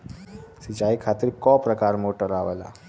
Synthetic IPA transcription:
sit͡ʃaːikʰaːt̪iɾkɔpɾəkaːɾmoːʈəɾaːʋela̰ː

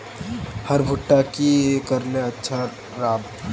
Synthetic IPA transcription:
həɾbʱʊʈːakiekəɾneɐtːʃʰa | ɾaːb

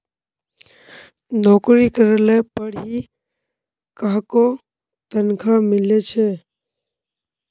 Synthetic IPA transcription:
noːkɾiːkəɾəleːpəɽɦiː | kaɦkoː | t̪ənkʰãːmɪleːt͡ʃʰeː

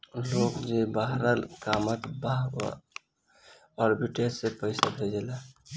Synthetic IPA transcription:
loːkd͡ʒebaɦɾəlkaːmət̪baɦ | ɔɾbiʈed͡ʒsepəɪsabʱed͡ʒela

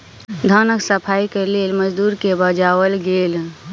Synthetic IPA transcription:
d̪ʱənəksəpʰaikelelməd͡ʒd̪uːɾkebəd͡ʒaʋəlɡel

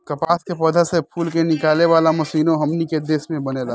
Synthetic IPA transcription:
kɐpaːskepəd̪ʱəsepʰuːlkenɪkaːleʋaːlamɐsiːnõɦɐmniked̪eːsmẽbɐnelaː

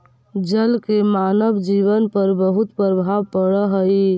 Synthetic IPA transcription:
d͡ʒəlkemanəbd͡ʒiʋənpəɾbəɦut̪pəɾbʱaʋpəɽəɦəj

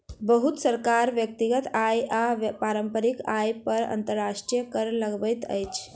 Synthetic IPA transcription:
bəɦut̪səɾkaɾʋjək̚t̪iɡət̪ajaʋpaɾəmpəɾikajpəɾə̰nt̪əɾːaʂʈɾijəkəɾləɡʋəjt̪ə̰jt͡ʃʰ

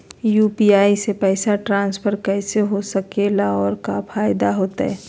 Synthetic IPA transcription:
juːpiaːisepɛːɪsaʈɾãːnspʰəɾkɛːseɦosəkeːlaɔːɾkafʰaːjd̪aɦoːt̪a̰ɦɛː

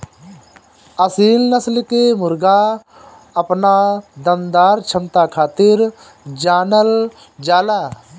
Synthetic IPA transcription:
əsiːlnəslkeːmʊɾɡaː | əpnaːd̪ənd̪aːɾt͡ʃʰəmt̪aːkʰaːt̪ɪɾ | d͡ʒaːnəl | d͡ʒaːlaː

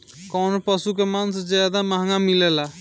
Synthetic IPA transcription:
kɔnopəsukemansd͡ʒjad̪amaɦŋamilela

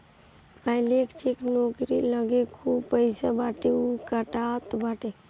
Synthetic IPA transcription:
ajlekt͡ʃʰiknokɾiləɡekʰubpəɪsabaʈiukəʈat̪baʈe

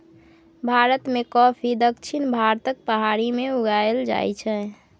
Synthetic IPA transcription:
bʱaɾət̪mekɔpʰid̪əkt͡ʃʰinbʱaɾt̪ək̚pəɦaɾimeuɡaeld͡ʒa̰jt͡ʃʰɛ

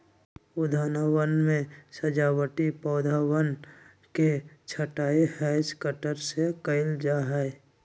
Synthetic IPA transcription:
ʊd̪ʱaːnawənmẽsəd͡ʒaːwəʈipɔːd̪ʱawən | ket͡ʃʰəʈaːehɛskəʈəɾsekəɪld͡ʒaɦɛe

